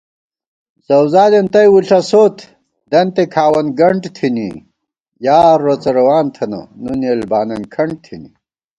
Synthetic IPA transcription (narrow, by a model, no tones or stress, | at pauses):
zɐwzaːd̪ent̪ɐjwuɬɐsoːt̪ʰ | d̪ɐnt̪ekʰaːwɐnɡɐɳʈt̪ʰinḭ | jaːɾːot͡sɐɾɐwaːnt̪ʰɐnɐ̰nunelbaːnɐnkʰɐɳɖ̚t̪ʰini